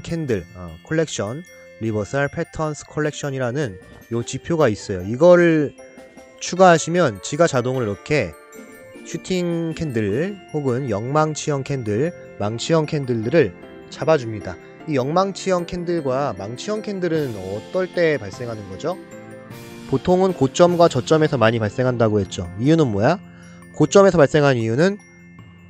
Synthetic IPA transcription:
kʰe̞ndɯɭʌkʰoɭːe̞k̚ɕ͈ʌn | ɾibʌsʰaɭpʰetʰʌnsʰɯ̥kʰoɭːe̞k̚ɕ͈ʰʌɲiɾanɯn | jot͡ɕipʰjoɡais͈ʌjoiɡʌɾɯ | t͡ɕʰuɡaɦaɕʰimjʌnt͡ɕiɡat͡ɕadoŋɯɾiɾʌkʰe̞ | ɕʰutʰiŋkʰe̞ndɯɭhoɡɯnjʌŋmaŋt͡ɕʰijʌŋkʰe̞ndɯɭ | maŋt͡ɕʰijʌŋkʰe̞ndɯɭdɯɾɯɭ | t͡ɕabad͡ʑumɲida | ijʌŋmaŋt͡ɕʰijʌŋkʰe̞ndɯɭɡwamaŋt͡ɕʰijʌŋkʰe̞ndɯɾɯnʌt͈ʌɭt͈e̞paɭs͈e̞ŋɦanɯnɡʌd͡ʑo | potʰoŋɯnkot͡ɕ͈ʌmɡwat͡ɕʌt͡ɕ͈ʌme̞sʰʌmaɲipaɭs͈e̞ŋɦandaɡoɦe̞t̚t͡ɕ͈oijunɯnmwʌja | kot͡ɕ͈ʌme̞sʰʌpaɭs͈e̞ŋɦannijunɯn

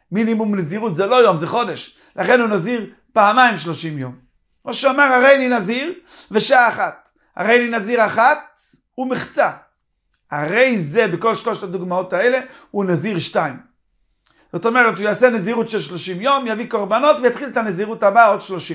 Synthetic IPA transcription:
minimumneziʁut̪zelo̞jo̞mzeχo̞d̪eʃ | laχenhunaziʁ | paamajimʃloʃimjom | ʁaʃeamaʁhaʁejlinaziʁveʃaaːχat̪ | ha̰ʁejlinaziʁaχat̪̚ | umiχt͡sa | a̰ʁejzebeko̞lʃloʃad̪uɡmao̞t̪aele | unaziʁʃtajm | z̥ot̪o̞meʁet̪ujaːseneziʁutʃelʃloʃimjo̞mjavikoʁbano̞t̪vejat̪χilet̪aneziʁuthabaod̪ʃloʃim

